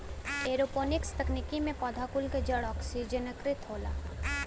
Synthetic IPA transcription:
eːɾopoːnɪkst̪əknikimẽpɔːd̪ʱakulked͡ʒəɽɔːksid͡ʒənəkɾɪt̪ɦoːla̰ː

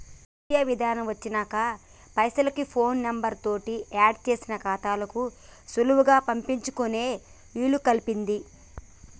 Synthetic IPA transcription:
mijaːʋid̪ʱaːnɐmʋɐt͡ʃːinaːkɐ | pɐjsɐlɐkipʰo̞ːnːɐmbɐɾt̪o̞ːʈiaːɖt͡ʃe̞ːsinɐkaːt̪aːlɐkusuluwuɡaːpɐmpiɲt͡ʃukune̞ː | ʋiːlukɐlipind̪i

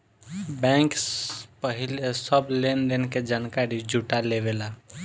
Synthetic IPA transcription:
bɛ̃ːŋkspəɦɪlesəblend̪enked͡ʒankaɾid͡ʒuʈaleʋela

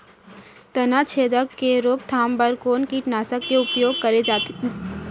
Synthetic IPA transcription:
t̪ɐnat͡ʃʰeːd̪əkkːeɾoːk̚t̪ʰaːmbəɾkoːnkiʈnaːsəkːeʊpjoːɡ̚kɐɾe

